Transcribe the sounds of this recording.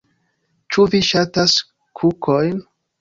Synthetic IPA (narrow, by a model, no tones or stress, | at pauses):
t͡ʃuviʃatas | kʰukʰojn